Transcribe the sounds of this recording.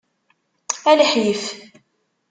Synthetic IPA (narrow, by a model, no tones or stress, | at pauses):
æləħjəf